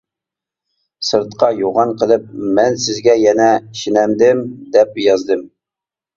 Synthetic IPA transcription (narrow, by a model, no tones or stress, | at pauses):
sɨɾt̪qɑjoʁɑnqʰəlˠɨp̚mɛnsɪzɡʲɛjɛnɛʃinɛmd̪ɪmd̪ɛp̚jɑzd̪ɨm